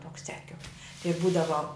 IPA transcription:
ˈtoːks t͡sʲɛˈkʲʊk tɐɪ ˈbuːdɐʋoː

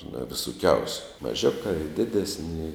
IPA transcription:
nʊ ʋʲɪsʊˈkʲɛʊsʲʊ mɐˈʒʲʊkɑː ɪ ˈdʲɪdʲɛsʲnʲɪ ɪ

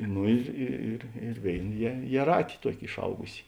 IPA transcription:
ˈnoː ɪr ˈɪ ɪr ɪr ˈʋʲeːɪn jiɛ jiɛˈrɑːtʲɪ ˈtuɔkʲɪ ɪʃˈɐʊɡʊsʲɪ

